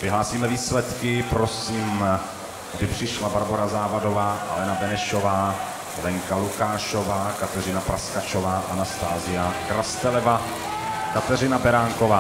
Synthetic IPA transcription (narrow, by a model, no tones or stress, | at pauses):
vɪɦlaːsiːmɛviːslɛt̪kɪpɾosiːm | ɡdɪpr̥ɪʃlabaɾbo̞ɾazaːvado̞vaːʔa̰lɛnabɛnɛʃo̞vaː | lɛŋkalukaːʃo̞vaːkat̪ɛrɪnapɾʔaskat͡ʃovaːʔanast̪aːzɪjakɾast̪ɛlɛva | kat̪ɛrɪnabɛɾaːŋkovaː